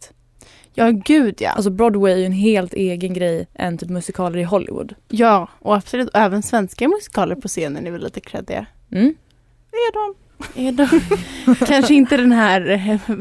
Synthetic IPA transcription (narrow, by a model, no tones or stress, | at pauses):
t̪ | jɑːɡʉ̟ːd̪ja̰a̰ls̬ɔbɾɔd̪wɛjæɾɛnɦeːlt̪ʰeːɡənɡɾɛjːʔɛ̰nt̪ʰyːpmɵsɪkʰɑːləɾɪɦɔlːʔɪ̰vʊ̰d̪jɑːʔɔapslʉ̟ːt̪ɔɛːvənsvɛnskaɛmɵsɪ̥kʰɑːləɾpʰɔseːnənɛɾvɪlḭːt̪əkʰɾɛ̰d̪ːɪ̰ɡa̰ | m̩ː | æɖɔm | æɖɔmkʰanʂəɪnt̪əd̪ɛnɦæːɾ